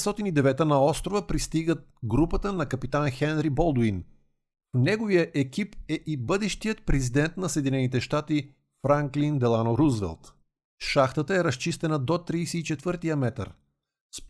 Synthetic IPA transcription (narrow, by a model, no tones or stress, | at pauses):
st̪ɔt̪inid̪ɛvɛt̪ənɐɔst̪ɾovəpɾist̪iɡət̪ɡɾupət̪ənɐkɐpit̪anxɛnɾibɔlˠd̪in | fnɛɡovijəʔɛkipɛʔibɤd̪ɛʃt̪ijət̪̚pɾɛzid̪ɛnt̪nɐsɛːd̪ʲinɛnit̪ɛʃt̪at̪i | fɾaŋklind̪ɛlˠanoɾuzvɛ̰lˠt̪ | ʃaxt̪ət̪əɛɾɐst͡ʃist̪ɛnəd̪ot̪ɾiːsɛit͡ʃɛt̪vɤɾt̪ijəmɛt̪ə̰ɾ | sp